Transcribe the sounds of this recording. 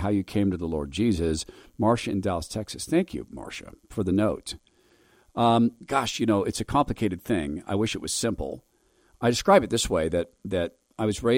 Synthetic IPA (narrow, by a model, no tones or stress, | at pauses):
ɦaʊjɨkʰẽɪ̃mtɨðəlɔ̰ɹd̚d͡ʒizɨzmɑɹʃɨɨ̃ndælˠstʰɛksɨsθæ̃ŋkʰjɨ̰mɑ̰ɹʃɨ̰fə˞ðɨnoʊt | ʌ̃ɡ̥ɑʃjɨnoʊʔɨtsɨkʰɑ̃mplɨkʰeɪɾɨd̪̚θɪ̃ŋa̰ɪwɪʃɨt̚wʌz̥sɪ̃mpl̩ˠ | aɪdɨskɹaɪbɨt̪̚ðɪsweɪðɨɾ̚ðɨɾ | aɪwʌzɹeɪ